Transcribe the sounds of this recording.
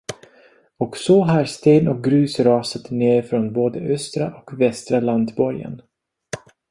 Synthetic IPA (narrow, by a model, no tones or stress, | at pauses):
ɔksɔɦaɾst̪eːnɔk̚ɡɾʉ̟ːsɾɑːsət̪neːɾfɾonboːd̪əʔœst̪ɾaʔɔkvɛst̪ɾaland̪bɔɾjə̰n